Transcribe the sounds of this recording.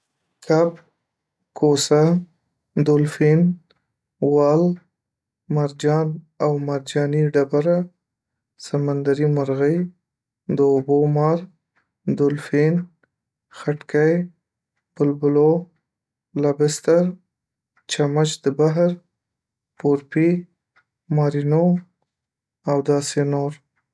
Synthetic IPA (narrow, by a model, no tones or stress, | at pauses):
kʰab̚ | kʰosa | d̪ʊlfin | wɑl | maɾd͡ʒɑn | awmaɾd͡ʒɑniɖabaɾa | samand̪aɾimaɾɣəj | d̪əobomɑɾ | d̪ʊlfin | xaʈkaj | b̥ʊlbʊlo | labɪst̪aɾ | t͡ʃamat͡ʃd̪əbaɦɾ | poɾpi | mɑɾino | awd̪ɑsenoɾ